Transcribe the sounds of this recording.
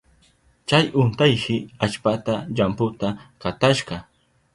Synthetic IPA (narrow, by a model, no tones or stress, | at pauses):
t͡ʃajʊnt̪ajkɪat͡ʃpat̪aʎampʊt̪akat̪aʃɢɑ